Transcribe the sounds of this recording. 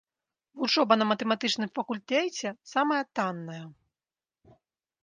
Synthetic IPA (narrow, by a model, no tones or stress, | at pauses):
vut͡ʂɔbɐnɐmɐt̪ɛmat̪ɨt͡ʂnɨmfɐkulʲt̪ɛt͡sʲɛsamɐjɐt̪anːɐjɐ